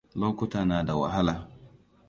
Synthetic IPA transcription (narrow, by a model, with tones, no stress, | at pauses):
loː˦kʷʊ˦taː˨naː˨da˨wa̰˨ɦa˦laː˨